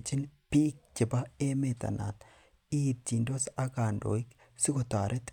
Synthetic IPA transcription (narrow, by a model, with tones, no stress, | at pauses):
t͡ʃɪ˦npi˦k̚t͡ʃɪ˨ba˦e˦me˨t̪ɐ̰˨na̰˨t̪ | iː˦t̚t͡ʃi˨nd̪o˦sa˦ɡaː˨nd̪o̰˨ɪ˦k | sɪ˦ɡot̪aː˨ɾʔɛ˦t̪